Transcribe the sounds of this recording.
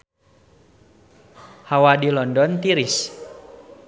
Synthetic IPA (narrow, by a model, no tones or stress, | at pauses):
hawadilɔndɔnt̪iɾis